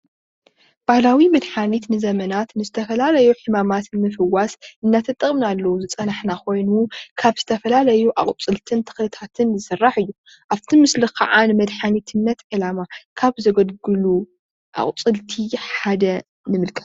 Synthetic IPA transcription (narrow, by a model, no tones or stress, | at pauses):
b̥ahlawimɐd̪ħanit̪nɨzɐmɐnat̪nɨzɨt̪ʰɐfɐlalɐjuħɨmamat̪nmɨfɨwasɨnːat̪ʰɐt̪ʼːɨχʼmnalːɐwuzɨt͡sʼɐnaħnakʰo̞jnukʰaβz̥ɨt̪ʰɐfɐlalɐjuʔaχʼt͡sʼɨlt̪ʰɨnt̪ʰɨ̥xlɨt̪ʰat̪ʰɨnzɨsɨrːaħɨjːu | ʔaft̪ʰimɨslikʰɐ̰ʕanɨmɐd̪ħanit̪ʰɨnːɐt̪ʕɨlamakʰaβzɐɡɐd̪ɡɨlu | ʔa̰χʼt͡sʼɨlt̪ʰiħad̪ɐ | nɨmɨlkʼɐ̥t̪